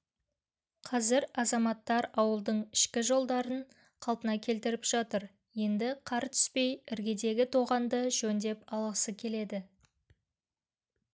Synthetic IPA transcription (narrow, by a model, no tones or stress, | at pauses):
qʰɑzɪɾɑzɑmɑt̪ːɑɾɑwəlˠd̪əɴɪʃkʲɪʒo̞lˠd̪ɑɾən | qʰɑlˠpənɑkʲʰe̞lt̪ɪɾɪpʒ̥ɑt̪əɾ | je̞nd̪ɪqʰɑɾt̪ʰʏ̥spe̞jɪɾɡʲe̞d̪e̞ɡʲɪt̪ʰo̞ʁɑnd̪əʒɵnd̪e̞pɑlˠʁəsəkʲʰe̞le̞d̪ɪ